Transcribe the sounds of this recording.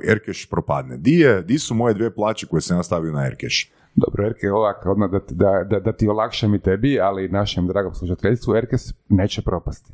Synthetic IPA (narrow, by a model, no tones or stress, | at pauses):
eɾkeʃpɾopa̰d̪ned̪ijed̪isumo̞jed̪ʋieplˠaːt͡ʃeko̞jesamjaːst̪aʋiunaḛɾkeʃ | d̪o̰bɾoeɾkeoʋako̞d̪mad̪at̪d̪ad̪ad̪at̪io̞lˠakʃamit̪ebialinaʃemd̪ɾaːɡomslˠuʃat̪eʎst̪ʋueɾkesne̞ːt͡ɕepɾo̞past̪i̥